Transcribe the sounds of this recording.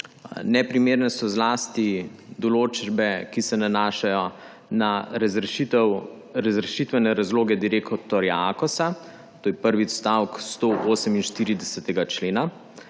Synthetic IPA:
nɛpɾimeːɾnɛsɔzlaːst̪id̪ɔloːt͡ʃbɛkisɛnanaːʃajɔ | naɾtw | ɾazɾɛʃit̪ʋɛnɛɾazloːɡɛd̪iɾeːkɔt̪ɔɾjaakɔsa | t̪oːjɛpəɾʋist̪awkst̪oʔoːsəminʃt̪iːɾid̪ɛsɛt̪ɛɡat͡ʃleːna

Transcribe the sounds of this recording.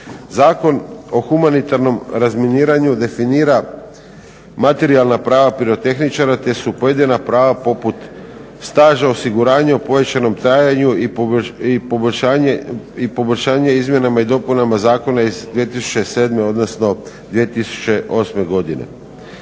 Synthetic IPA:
zaːko̞no̞xumanit̪aɾno̞mɾazminiːɾaɲud̪e̞finiːɾa | mat̪e̞ɾialˠnapɾaːʋapiɾo̞t̪e̞xnit͡ʃaɾat̪e̞supo̞je̞d̪inapɾaːʋapo̞put̪ | st̪aːʒao̞siɡuɾaːɲeopo̞jet͡ʃano̞mt̪ɾaːjaɲuiipoboʎʲʃaːipo̞boʎʲʃaːɲeizmje̞namaid̪o̞punamazaːko̞naizd̪ʋije̞t̪isu̥t͡ʃe̞se̞ːd̪me̞o̞d̪nosno̞d̪ʋiet̪isu̥t͡ɕe̞ʔo̞sme̞ɡo̞d̪inḛ

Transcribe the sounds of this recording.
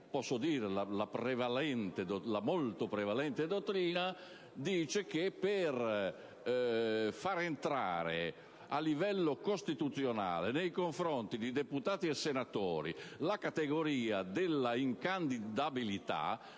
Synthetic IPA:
pɔsːod̪iːɾelalapɾevalɛnt̪ed̪olamolt̪opɾɛvalɛnt̪ed̪ot̪ːɾiːna | d̪iːt͡ʃek̟eper | faɾent̪ɾa̰ːɾḛ | a̰lːivɛlːokost̪it̪ut̪sːjona̰ːlenejkoɱfɾɔnt̪id̪id̪eput̪aːt̪iɛsːenat̪ɔːɾḭlakat̪eɡoɾiːad̪elːaiŋkand̪id̪abilit̪a̰

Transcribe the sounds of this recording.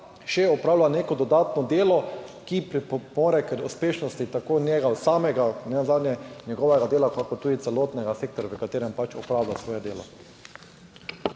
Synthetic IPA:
ʃɛɔpɾaːwlaneːkɔd̪ɔd̪aːt̪nɔd̪eːlɔkipɾipɔmoːɾɛkəɾuspeːʃnɔst̪it̪akoːnɛɡasaːmɛɡanɛnzaːd̪nɲjɛnjɛɡɔʋɛɡad̪eːlakakɔɾt̪uːd̪it̪sɛlɔːt̪nɛɡaseːk̚t̪ɔɾaʋəkat̪eːɾɛmpat͡ʃɔpɾaːwlasʋɔːjɛd̪eːlɔ̰

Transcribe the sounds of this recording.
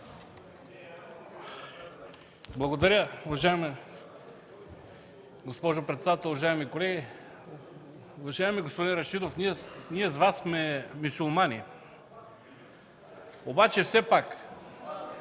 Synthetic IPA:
blˠɐɡod̪ɐɾʲəʊvɐʒaɛm | ɡospɔʒopɾɛt̪sɛd̪at̪ɛlˠʊvɐʒaɛmikolɛɡʲi | ʊvɐʒaɛmiɡospod̪inɾɐʃid̪ofniɛniɛzvasːmɛmusulˠmani | obat͡ʃɛfsɛpak

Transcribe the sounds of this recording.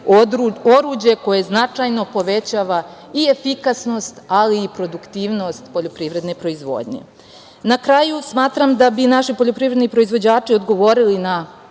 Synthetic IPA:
oɾuo̞ɾud͡ʑe̞ko̞je̞znat͡ʂajno̞po̞ʋet͡ɕaːʋa | iefikasno̞st̪aliːpɾo̞d̪ukt̪iːʋno̞st̪po̞ʎopɾiʋɾe̞d̪ne̞pɾo̞izʋo̞̰ːd̪ɲe̞̰ | nakɾajusmaːt̪ɾamd̪abinaʃipo̞ʎopɾiːvɾed̪nipɾo̞izʋo̞d͡ʑaːt͡ʂio̞d̪ɡo̞ʋo̞ɾilina

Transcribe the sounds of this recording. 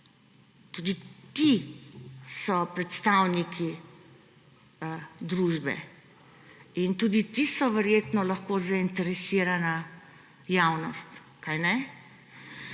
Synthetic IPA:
t̪ud̪it̪i | sɔpɾɛt̪st̪awnikʰi | d̪ɾuʒbɛ̰ | int̪ud̪it̪isɔʋɛɾjeːt̪nɔlɐxkozaint̪ɛɾɛsiːɾana | jawnɔst̪ | kajnɛ

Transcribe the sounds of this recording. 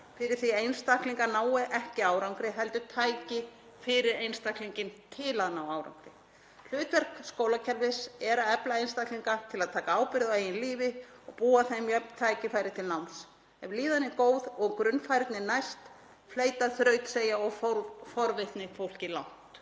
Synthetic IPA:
fɪɾɪɾ̥θiejnst̪ahkliŋkanaːwɪʔɛhcɪaːwɾawŋkɾɪɦɛlt̪ʏt̪ʰaːjcɪ | fɪɾɪɾejnst̪ahkliɲcɪnt̪ʰɪlaðnawaːwɾa̰wŋkɾɪ | l̥ʏːt̪vɛr̥kskoːwlacʰɛlvɪsɛɾaɛplaejnst̪ahkliŋkat̪ʰɪlaðt̪ʰaːkaaːwpɪɾɪðaeːjɪnliːvɪ | ɔɣpuːaθejmjœpnt̪ʰaːjcɪfajɾɪ̥t̪ʰɪlnawms | ɛvliːðanɪkoːwðɔɣkɾʏnːfajɾɪt̪nɪnajst̪ | fleːjt̪aθɾœːɥt̪seːjaɔɣffɔɾvɪht̪nɪfowl̥cɪlawn̥t̪

